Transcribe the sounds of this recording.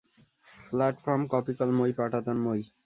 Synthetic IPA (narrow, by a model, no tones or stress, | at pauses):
flɛʈfɔɾmkɔpikalmojpaʈat̪onmoj